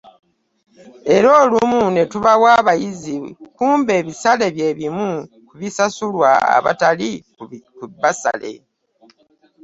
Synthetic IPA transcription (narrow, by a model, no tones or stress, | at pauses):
e̞ɾo̞ːlumunetuβawaːβajizikuːmbe̞ːβisale̞βje̞ːβimu | kuβisasulwa̰a̰βa̰tali | kuβasa̰le̞̰